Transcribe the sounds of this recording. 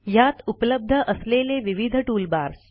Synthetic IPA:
jat̪upləb̚d̪ʱəʔəsleleʋiʋid̪ʱəʈuːlbaɾs

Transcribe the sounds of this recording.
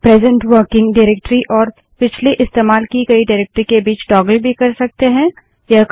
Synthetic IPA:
pɾɛːzə̃ɳʈwəɾkɪ̃ŋɡɖaɪɾeːk̚ʈɾiʔɔːɾ | pɪt͡ʃʰliʔɪst̪eːmaːlkikɐiɖaːɾeːk̚ʈɾikebiːt͡ʃɖɔːɡəlbʱikɐɾsɐk̚t̪eɦɛ̃ | jɐ

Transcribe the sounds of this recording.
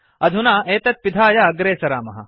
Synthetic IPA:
ɐd̪ʱunaːʔeːt̪ɐt̪̚pid̪ʱʰaːjɐɐɡɾeːsɐɾa̰ːmɐ̰ɦɐ̰

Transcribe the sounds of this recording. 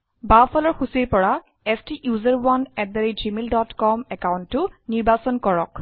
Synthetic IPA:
bafʰalɔɹxusiejpɔɹa | ɛstiʔjuzəɹwanɛt̚daɹid͡ʒimeldɔtkɔmɛkawuntːʊniɹbasɔnkɔɹɔk

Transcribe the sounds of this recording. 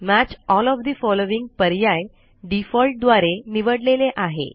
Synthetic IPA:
mæt͡ɕɔlɔfd̪ifɔloʋiŋɡ̚pəɾjaj | ɖifɔlʈ̚d̪ʋaɾeniʋəɽleleʔaɦḛ

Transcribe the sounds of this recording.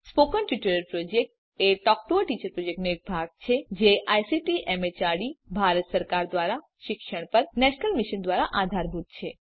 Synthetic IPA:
spokənʈiʈuɾəɾpɾod͡ʒek̚ʈ̚ | eʈɔk̚ʈoəʈit͡ʃəɾpɾod͡ʒek̚ʈnoek̚bʱaɡ̚t͡ʃʰed͡ʒeʔajsiʈiʔɛmet͡ʃaɽibʱaɾət̪səɾkaɾd̪ʋaɾa | ʃɪkʃəɽ̃pəɾnɛʃnəlmiʃənd̪ʋaɾaʔad̪ʱaɾbʱut̪̚t͡ʃʰe

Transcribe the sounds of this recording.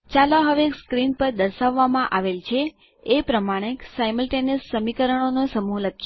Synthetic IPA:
t͡ʃaloɦəʋekskɾinpəɾd̪əɾʃaʋːamãʔaʋelt͡ʃʰe | epɾəmaɽ̃eksajməlʈenəsːəmikəɾəɳ̃onosəmuləkʰː

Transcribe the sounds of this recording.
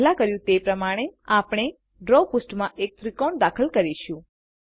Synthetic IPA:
lakəɾjũt̪epɾəmaɽ̃eapɽ̃e | ɖɾopʊsʈmãʔek̚t̪ɾikɔɳd̪akʰəlkəɾiʃũ

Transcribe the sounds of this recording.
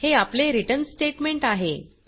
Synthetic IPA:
heapleɾiʈənsʈeʈmeɳʈaɦe

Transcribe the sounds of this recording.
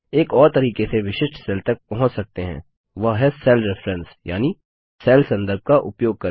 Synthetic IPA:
eːkɔːɾt̪ɐɾiːkeseʋɪʃɪʃʈsɛlt̪ɐk̚pɐɦʊ̃t͡ʃsɐk̚t̪eɦɛ̰̃ː | ʋɐɦɦɛsɛːlɾɪfɾɛ̃nsja̰ːni | sɛːlsɐ̃nd̪əɾb̚kaʔʊpjoːɡ̚kɐɾ

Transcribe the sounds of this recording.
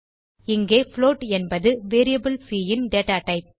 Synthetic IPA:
ɪŋɡeːfloːʈɛnbɐðɯʋeːɾijɐbɪlsiːjɪnɖeːʈaːʈɐɪp̚

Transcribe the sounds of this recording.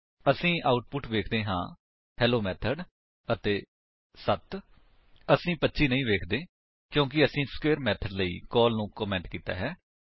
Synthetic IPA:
əsĩːʔaːʊʈ̚pʊʈʋeːkʰd̪ẽːɦã̰ː | hɛːloːmɛːt̪ʰəɖ | ət̪eː | sət̪ | əsĩːpətːʃiːnəĩːʋeːkʰd̪eː | kjõːk̬ɪəsĩːskeːɾmɛːt̪ʰəɖləḭːkɔːlnũːkɔːmɛ̃ːɳʈkiːt̪a̰ːɦɛː

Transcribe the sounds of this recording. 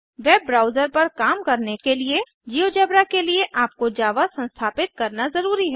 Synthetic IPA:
ʋɛːbːɾaːʊzəɾpɐɾkaːmkɐɾnekelie | d͡ʒiːod͡ʒɐbɾakelieʔaːp̚kod͡ʒaːʋasɐ̃nst̪ʰaːpɪt̪̚kɐɾnazɐɾuːɾiɦɛː

